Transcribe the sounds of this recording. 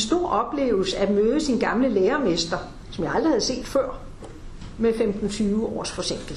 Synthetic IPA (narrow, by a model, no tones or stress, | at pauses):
ensd̥o̝ɐ̰ʔɒ̽b̥le̝̰ːʊl̩səæd̥møːð̞ˠəsinɡ̥ɑ̈mləleːɐme̝sd̥ɐ | sɒ̽mjɑ̈ɪɑ̈ld̥ʁihæðˠse̝̰ːd̥fɶɐ̰ | mefemd̥n̩t͡sʰyːʋəɒ̰ːsfɒ̽seŋ̰ɡ̥l̩